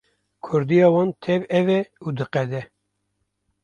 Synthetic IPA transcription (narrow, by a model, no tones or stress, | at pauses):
kʰʊɾd̪ijɑːwɑːnt̪ʰɛvɛvɛud̪ɨqɛd̪ɛ